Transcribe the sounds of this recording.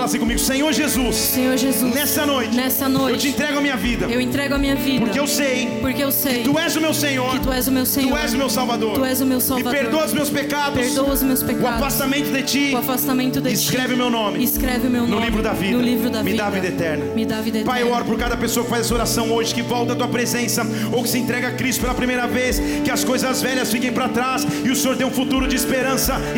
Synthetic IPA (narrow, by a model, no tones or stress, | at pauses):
lasĩkõmiɡʊsẽɲoɾʒezussẽɲoɾʒezusnɛsɐnojt͡ʃɪnɛsɐnoewt͡ʃɪẽt̪ɾɛɡʊɐmĩɲɐvid̪ɐewẽt̪ɾɛɡʊɐmĩɲɐvidpoɾɐkeewsej | poɾkeewseɪjt̪uɛzʊmewsẽɲoɾɪt̪uɛzʊmewsẽɲuɛzʊmewsawvad̪oɾuɛzʊmewsawɪvadpeɾd̪oɐʊzmewspekad̪ʊeɾd̪owɐzmewspekʊadfast̪amẽnt̪ʊd̪et͡ʃiafast̪amẽnt̪ʊd̪eskɾɛvɪʊmewnõmɪɪskɾɛvɪʊmewnnʊlivɾʊd̪aviʊlivɾʊd̪amɪd̪avid̪ɐet̪ɛɾnɐmɪd̪avid̪ɐpajɔɾpʊɾkad̪ɐpesoɐkɪ̥fajzɐsɐoɾasɐ̃w̃oʒɪkɪvɔwt̪ɐt̪uɐpɾezẽsɐ | owkɪ̥sɪẽt̪ɾɛɡakɾist̪ʊ̥pelɐpɾimejɾɐves | kɪɐskojzɐzvɛʎɐsfikẽj̃pɾat̪ɾasɪʊsẽɲoɾt̪ẽj̃ũfut̪uɾʊd͡ʒɪːspeɾɐ̃sɐ